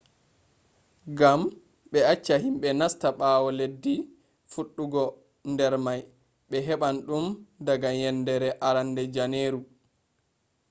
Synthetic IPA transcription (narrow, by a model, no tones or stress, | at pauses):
ɡam | ɓɛat͡ʃːahimɓɛnastaɓaːwɔledːi | fuɗːuɡɔ | ndɛɾmaj | ɓɛɦɛɓanɗumdaɡajɛndɛɾɛʔaɾandɛd͡ʒaneːɾu